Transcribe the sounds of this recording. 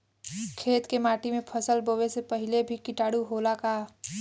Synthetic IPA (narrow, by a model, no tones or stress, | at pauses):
kʰeːt̪kemaːʈimẽpʰəsəlbəʋesepɐɦɪlebʱikɪʈaːɽuɦoːlakaː